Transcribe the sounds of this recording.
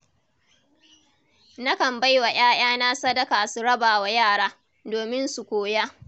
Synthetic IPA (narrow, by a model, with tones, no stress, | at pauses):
nɐ˦kɐ˨mba˦jwa˨j̰aː˦j̰aː˦na˦sɐ˦dɐ˦kaː˨su˨ɽɐ˦baː˨wa˨jaː˦˨ɽaː˦ | doː˨mɪ˦nsu˨kʷoː˦jaː˦